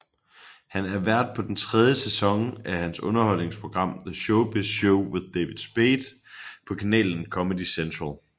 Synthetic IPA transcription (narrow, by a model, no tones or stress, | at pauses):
hænæɐʋæɐ̰d̥̚pʰɒ̽d̥en̩t͡sʰʁɛð̞ˠjəsesɒ̽ŋæhænsɔ̽nɐhɒ̽l̰ne̝ŋspʰʁo̝ɡ̥ʁɑ̈m̰ðəɕɔʊb̥eɕoʊwe̝ðˠd̥ɛːʋid̥ˠsb̥eːd̥ | pʰɒ̽kʰænɛ̰ːln̩kʰɒ̽mədisent͡sʰʁɑlˠ